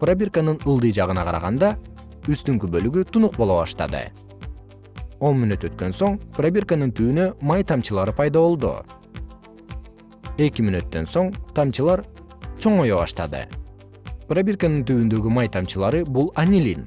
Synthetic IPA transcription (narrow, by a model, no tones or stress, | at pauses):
prabʲirkanɯnɯlˠd̪ɯjd͡ʒɑʁɯnɑqɑɾɑ̰ʁɑnd̪ɑ | yst̪yŋkybø̞lyɡyt̪unuq̚bo̞lˠoβɑ̰ʃt̪ɑ̰d̪ɯ̰ | o̞nminyt̪ø̞t̪̚kø̞nso̞ɴprabʲirkanɯnt̪ʰyynø̞mɑjt̪ʰɑmt͡ʃɯlˠɑɾɯpʰɑjd̪ɑβo̞lˠd̪ṵ | e̞kimynyt̪ːø̞nso̞ɴt̪ʰɑmt͡ʃɯlˠɑɾ | t͡ʃʰo̞ɴo̞joβɑ̰ʃt̪ɑ̰d̪ɯ̰ | prabʲirkanɯnt̪yβynd̪ø̞ɡymɑjt̪ʰɑmt͡ʃɯlˠɑɾɯbulˠanʲilʲin